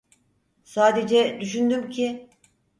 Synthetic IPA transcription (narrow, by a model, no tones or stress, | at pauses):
saːd̪ed͡ʒɛd̪yʃynd̪ymcʰi